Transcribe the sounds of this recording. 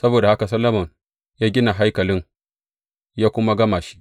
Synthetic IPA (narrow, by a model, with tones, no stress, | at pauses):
sɐ˦boː˨da˨ha˦ka˨s̬ɐ˦lːɐ˦mɐ˨n | jaː˦ɡʲɪ˦na˨ɦa˦jkɐ˨lɪ˦ŋ | jaː˦kʷʊ˦ma˦ɡɐ˦maː˨ʃi̥˦ʔ